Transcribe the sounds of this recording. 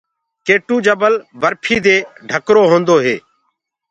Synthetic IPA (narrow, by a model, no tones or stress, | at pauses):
keːʈuːd͡ʒəbəlbəɾpʰiːd̪eːɖʱəkɾoːɦõːnd̪oːɦeː